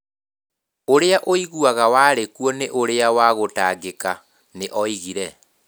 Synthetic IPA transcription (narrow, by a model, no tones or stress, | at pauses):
oɾeaʔoiɣuaɣawaːɾekuɔneʔoɾeawaɣotaɡeka | neʔɔiɣiɾɛ